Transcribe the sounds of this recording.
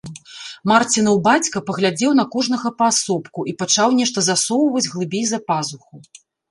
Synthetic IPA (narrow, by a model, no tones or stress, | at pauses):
mart͡sʲinɐwbat͡sʲkɐpɐɣlʲad͡zʲɛwnɐkɔʐnɐɣɐpɐːsɔpkuʔipɐt͡ʂawnʲɛʂt̪ɐzasɔwvɐd͡zʲɣlˠɨbʲejʲzɐpazuxu